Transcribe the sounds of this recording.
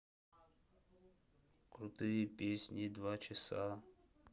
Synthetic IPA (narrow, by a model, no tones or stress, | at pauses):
kɾut̪ɨjəpʲesʲnʲid̪vat͡ʃɪsa